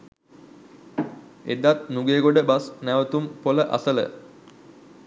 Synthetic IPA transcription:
ḛd̪at̪̚nuɡeːɡoɖəbasnæʋət̪umpoləʔa̰sələ̰

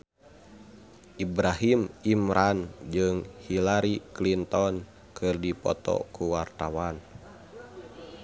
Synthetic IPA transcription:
ʔibɾaɦimimɾʔand͡ʒɨŋhilaɾiklint̪ɔn | kʰɨrdipɔ̰t̪ɔ̰kuwart̪awan

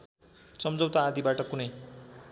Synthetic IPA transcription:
sʌmd͡zʌwt̪aːd̪ibaʈʌkunʌj

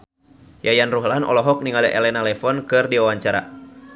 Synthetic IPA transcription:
jajanruɦlanɔ̰lɔɦɔk̚niŋalɛʔɛlɛnalɛfɔnkɨrdiwawaɲt͡ʃaɾa̰

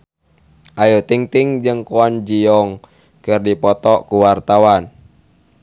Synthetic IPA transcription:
ʔajut̪iŋt̪iŋd͡ʒɨŋkuand͡ʒiɔŋ | kɨrdipɔt̪ɔkuwart̪awan

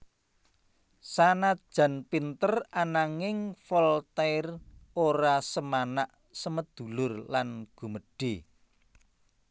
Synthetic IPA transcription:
sanḁʒ̥ä̤npint̪əranaŋɪŋfɔlt̪ɛroɾasəmanaʔ | səməd̪̥ṳlʊrlanɡ̥ṳməɖ̥e

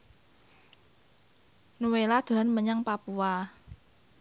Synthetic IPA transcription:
nuwelad̪̥o̤ɾanməɲaŋpapua

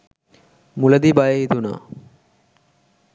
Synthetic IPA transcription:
muləd̪ibajəit̪una̰ː

